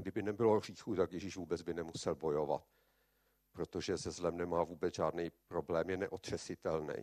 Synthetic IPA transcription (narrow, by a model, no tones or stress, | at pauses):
ɡdɪbɪnɛbɪlo̞r̝iːxut̪akjɛʒiʒvuːbɛd͡zbɪnɛmusɛlbo̞jo̞va̰t̪̚ | pɾo̞t̪o̞ʒɛzɛzlɛmnɛmaːvuːbɛt͡sʒaːdnɛjpɾo̞blɛːmjɛnɛʔot̪r̝̥ɛsɪt̪ɛlnɛ̰j